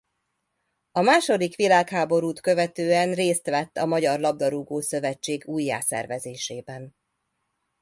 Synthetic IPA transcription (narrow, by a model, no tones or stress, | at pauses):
ɒmaːʃo̞d̪ikʋilaːkhaːbo̞ɾuːt̪kø̞vɛt̪øːɛnreːst̪ʋɛt̪ːɒmɒɟɒrlɒb̚d̪ɒɾuɡoːsø̞vɛt͡ʃːeːɡuːjːa̰ːsɛ̰rvɛzeːʃeːbɛn